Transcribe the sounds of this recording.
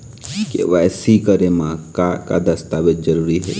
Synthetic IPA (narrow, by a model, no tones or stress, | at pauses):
kḛʋɛːsikəɾemãaka̰d̪ɐst̪aːʋɪt̪d͡ʒɐɾuːɾiɦɛ̰ː